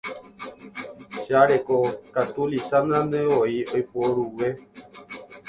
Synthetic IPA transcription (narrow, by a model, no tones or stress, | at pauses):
ʃaɾekokat̪ulisand̪ãnd̪ẽʋoiojpoɾuwe̞